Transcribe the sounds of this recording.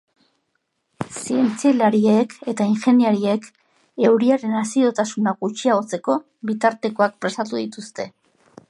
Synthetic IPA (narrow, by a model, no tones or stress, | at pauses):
sie̞nt͡sielaɾieke̞t̪aiŋxe̞niaɾie̞k | e̞wɾiaɾe̞nasio̞t̪asunaɡut͡ʃiao̞t͡se̞ko̞ | βit̪aɾt̪e̞ko̞ak̚pɾe̞st̪at̪uðit̪ust̪e̞